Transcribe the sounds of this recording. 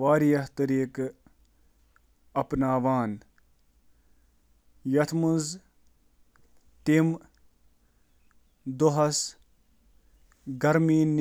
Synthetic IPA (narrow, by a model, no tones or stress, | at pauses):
ʋaːɾijɐɦt̪ɐɾiːk | ɐpnaːʋaːn | jɐt̪ʰmunz | t̪im | d̪oɦɐs | ɡɐɾmiːn